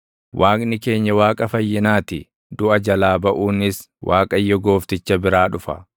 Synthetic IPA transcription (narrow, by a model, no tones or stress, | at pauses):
wʔaːkʼnɪke̞ːɲːɐwaːkʼɐfɐjːɪnaːt̪ɪ | d̪ʊʔɐd͡ʒɐlaːbɐʔuːnɪs | wʔaːkʼɐjːɔɡo̞ːft̪ɪt͡ʃːɐbɪɾaːᶑʊfɐ̰